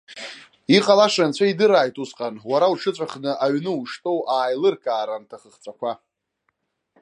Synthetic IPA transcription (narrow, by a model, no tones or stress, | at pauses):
iqʼalaʂant͡ɕʷʰaidɨɾaːjtʼusqʼanwaɾauʈ͡ʂʰɨt͡sʷʼaχnɨʔaɥnɨuʂtʼowʔaːjlɨrkʰʼaːɾantʰaχəχt͡sʷʼakʷa